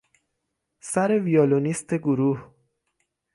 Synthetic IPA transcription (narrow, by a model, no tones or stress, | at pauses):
sæɾe̞vijɒːlonist̪eɡoɾuːh